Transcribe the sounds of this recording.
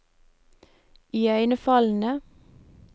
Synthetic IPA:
ʔiːœɪnəfɑln̩ə

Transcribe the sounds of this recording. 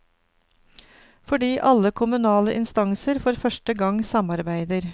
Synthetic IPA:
fɔɖiːʔɑləkʰʊmʉnɑːləʔɪnst̪ɑŋsəɾfɔɾfœʃʈəɡɑŋsɑmɑɾbæɪd̪əɾ

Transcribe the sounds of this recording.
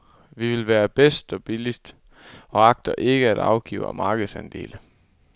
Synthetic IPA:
ʋiʋe̝lʋæːɐb̥esd̥ɒ̽b̥ilisd̥ | ɒ̽ɑ̈ɡ̥̚d̥ɐʔe̝ɡ̥əæd̥ɑ̈ʊɡ̥ḭːʊɐmɑ̈ːɡ̥ð̩ˠsænd̥e̝̰ːlə

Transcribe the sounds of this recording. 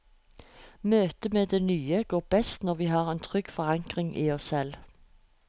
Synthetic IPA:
møːt̪əmeːd̪eːnyːəɡoːʁb̥ɛst̪nɔʁʋiːɦɑːʁeːnt̪ʰʁʏɡ̥fɔʁɑŋkʁɪŋʔiːɔssɛl

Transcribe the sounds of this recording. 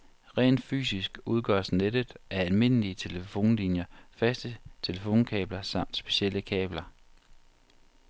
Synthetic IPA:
ʁɛ̰ːnd̥fy̰ːsisɡ̥uð̞ˠɡ̥ɶ̰ɐsned̥əðˠæɐælme̝n̰əliət͡sʰe̝ləfo̝̰ːnlinjɐfæsd̥ət͡sʰe̝ləfo̝̰ːnkʰɛ̰ːb̥lɐsɑ̈m̰d̥sb̥e̝̥ɕeləkʰɛːb̥lɐ

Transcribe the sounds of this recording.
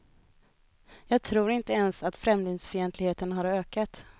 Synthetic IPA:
jɑːɡ̚t̪ʰɾuːɾɪnt̪əɛnsat̪fɾɛmlɪŋsfœɾjɛnt̪lɪɡheːt̪ənɦaɾøːkat̪

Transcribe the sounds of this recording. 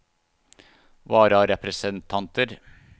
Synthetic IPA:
ʋɑːɾɑɾɛpɾəsənt̪ʰɑnt̪əɾ

